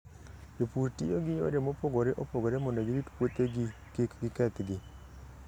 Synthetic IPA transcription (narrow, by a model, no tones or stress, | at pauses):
epuɾtijoɡɪjo̰ɾemopoɡoɾeʔopoɡoɾemɔndoɡɪɾitpwot̪eɡɪ | kekɡɪkɛt̪ɡɪ